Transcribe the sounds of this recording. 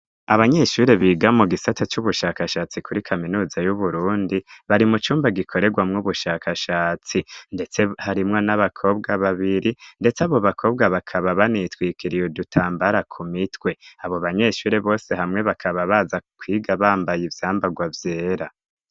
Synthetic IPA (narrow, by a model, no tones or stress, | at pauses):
aβaɲe̞ʃuːɾe̞βiːɡamuɡisatʰat͡ʃuβuʃaːkaʃaːt͡sikʰuɾikʰaminuːzajuβuɾuːndiβaɾimut͡ʃuːmbaɡikʰo̞ɾe̞ɡwamŋuβuʃaːkʰaʃaːt͡sinde̞t͡se̞haɾimŋonaβakʰo̞ːβ̚ɡaβaβiɾinde̞t͡saβo̞βakʰo̞ːb̚ɡaβakʰaβaβanitwiːkʰiɾijodutʰaːmbaɾakʰumitwe̞aβo̞βaɲe̞ʃuːɾe̞βo̞ːse̞ɦamŋe̞βakʰaβaβaːzakʰwiːɡaβaːmbajivjaːmbaɡwavje̞ːɾa